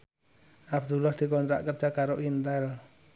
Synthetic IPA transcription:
ʔab̚d̪ulahd̪̥i̤kɔnt̪ɾa̰ʔkərd͡ʒakaɾoʔint̪ɛl

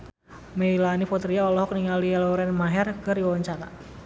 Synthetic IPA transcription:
mɛilanipɔt̪ɾiaɔlɔɦɔk̚niŋaliɛlɔɾɛnmaɦɛrkəriwawaɲt͡ʃaɾa̰

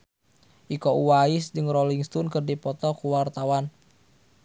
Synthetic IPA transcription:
ʔikɔuwaisd͡ʒəŋɾoliŋst̪unkərdipɔt̪ɔkuwart̪awan

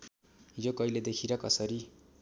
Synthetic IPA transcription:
ɦid͡zokʌiled̪ekʰiɾʌkʌsʌɾi

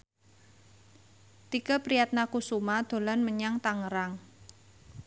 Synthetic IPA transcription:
t̪ikəpɾijat̪̚nakusumad̪̥o̤lanməɲaŋt̪aŋəɾaŋ

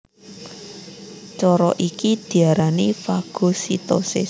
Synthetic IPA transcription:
t͡ʃɔɾɔʔikid̪̥i̤aɾanifaɡ̥o̤sit̪ɔsɪ̰

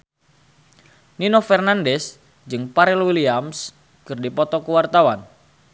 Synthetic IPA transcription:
ninofɛrnandɛs | d͡ʒɨŋpaɾɛlwiliams | kɨrdipɔt̪ɔkuwart̪awan

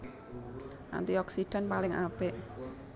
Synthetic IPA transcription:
ʔa̰nt̪iɔksiɖ̥a̤npalɪŋʔabɪʔ

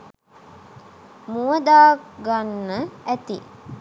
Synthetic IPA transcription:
muəd̪aːɡanːəæt̪ḭ

